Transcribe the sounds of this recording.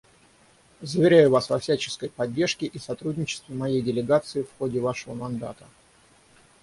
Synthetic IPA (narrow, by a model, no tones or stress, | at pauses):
zəvʲɪɾʲæjʊvasvɐfsʲæt͡ɕɪ̥skəjpɐdʲːe̞rʂkʲɪʔisɐt̪ɾudʲnʲɪt͡ɕɪ̥st̪vʲɪmɐjejdʲɪlʲɪɡat̪sɨɪfxodʲɪvaʂəvəmɐnd̪a̰t̪ə